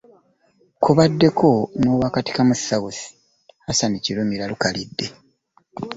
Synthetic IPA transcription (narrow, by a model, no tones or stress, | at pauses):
kuβadːe̞kʰo̞no̞ːwakati̥kamusːawusi̥ | asaniciɾomiɾalukalidːe̞